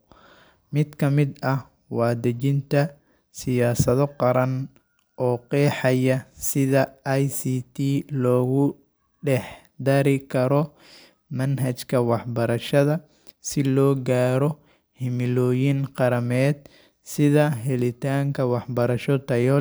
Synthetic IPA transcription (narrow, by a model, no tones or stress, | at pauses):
mɪd̪kʰɐmɪd̪ɐ | wɑːd̪ɐt͡ʃɪnt̪ʰɐ | sɪjaːsɐðɔqɑɾɐn | ʔɔːqɛːħɑjɐsɪðɐjsiːt̪ʰiːlɔːɣʊ | ɖɛħ | d̪ɐɾɪkʰɐɾɔ | mɐnɦɐt͡ʃkʰɐwɑħbɐɾɐʃɐðɐ | sɪlɔːɡaːɾɔ | hɪmɪlɔːjɪnqɑɾɐmɛːd̪̚ | sɪðɐɦɛlɪt̪ʰaːŋkʰɐwɑħbɐɾɐʃɔt̪ʰɐjɔ